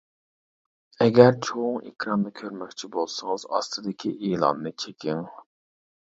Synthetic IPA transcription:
ɛɡʲæɾt͡ʃʰoŋḛkʲʰɾɑnːɨkʲʰøɾmɛkʲt͡ʃʰibolˠsɨŋɨz̥ɑ̰st̪ʰɨd̪ɪkʲʰiʔeːlˠɑ̰nːɨt͡ʃʰekʲʰɪŋ

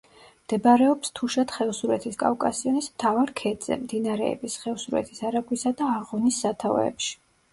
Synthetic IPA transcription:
md̪̥ɛbaɾɛɔpst̪ʰuʃat̪χɛlsuɾɛt̪ʰiskʼa̰vkʼasiɔnismt̪ʰavaɾkʰɛd̪z̥ɛ̰md̪inaɾɛ̰ːbisχɛlsuɾɛ̰t̪ʰisaɾaɡwisad̪aːʁɔnisːat̪ʰavɛ̰pʃi̥

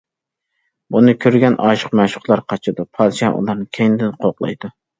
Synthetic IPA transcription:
bunɨkʲʰøɾɡʲɛnʔɑːʃə̥qmæʃʊ̥qlˠɑɾqʰɑt͡ʃʰɨd̪upʰɑːd̪ɨʃɛnʔṵlˠɑɾnɨkʲʰejnd̪ɪnqʰoqlˠɑ̰jd̪u

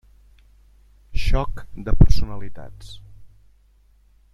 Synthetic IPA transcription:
ʃɔkd̪əpəɾsunəlit̪a̰t͡s

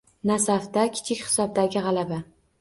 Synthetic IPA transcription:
nasaft̪akʲʰɪ̥t͡ʃʰɪkʲhɪ̥sɒb̚d̪aɡʲɪʁɑlaba

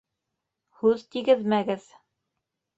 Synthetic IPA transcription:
hʉðt̪iɡɘðmæɡɘð

